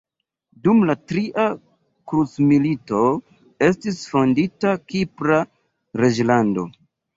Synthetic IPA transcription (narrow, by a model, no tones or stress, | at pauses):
dumlatɾiʔa | kɾut͡smilito̞ | e̞s̬tisfo̞nditakipɾa | ɾed͡ʒlando̞̰